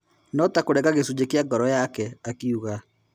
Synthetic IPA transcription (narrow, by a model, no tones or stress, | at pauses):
nɔtakoɾɛɣaɣesud͡ʒekeaɡɔɾɔjakɛakiuɣa